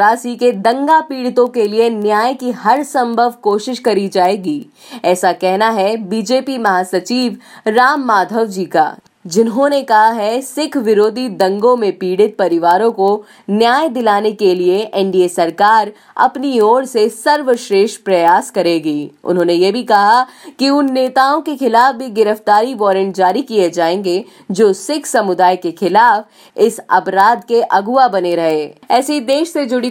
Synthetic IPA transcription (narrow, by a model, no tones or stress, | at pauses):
aːsiked̪ɐ̃ŋɡapiːɽɪt̪õkelienjaːjkiɦɐɾsɐ̃mbʱəʋkoːʃɪʃkɐɾid͡ʒaːeːɡiː | ɛːsakɛɦnaɦɛbiːd͡ʒeːpimɐɦaːsɐt͡ʃiːʋɾaːmːaːd̪ʱəʋd͡ʒiːka̰ː | d͡ʒɪnɦõnekɐɦaɦɛsɪkʰʋɪɾoːd̪ʱid̪ɐ̃ŋɡõmẽpiːɽɪt̪̚pɐɾɪʋaːɾõko | njaːjd̪ɪlaːnekelieʔɛ̃ɳɖiesɐɾkaːɾ | ɐ̰pnioːɽsesɐɾʋəʃɾeːʃpɾɐjaːskɐɾeːɡiːʊ̰nɦõːnejebʱikɐɦakiʊnːeːt̪aːõkexɪlaːfbʱiɡɪɾəft̪aːɾiʋɔːɾə̃ɳʈ̚d͡ʒaːɾikied͡ʒaːẽːŋɡe | d͡ʒoːsɪkʰsɐmʊd̪aːjkexɪlaːf | ɪsɐ̰pɾaːd̪keʔɐɡʊabɐneɾɐɦeːɛːsid̪eːʃsed͡ʒʊɽi